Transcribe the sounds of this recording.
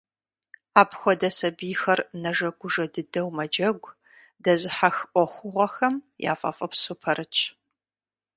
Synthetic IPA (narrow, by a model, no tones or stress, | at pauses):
aːpʰxʷɔdɐsɐbijxɐrnɐʒɐɡʷʊʒɐdɨdɐwmɐd͡ʒɐɡʷ | dɐzɨħaxʔʷɔxʷʊʁʷɔxɐmja̰ːfʼɐ̰fʼɐpsʊpʰɐɾɨt͡ʃʼʰ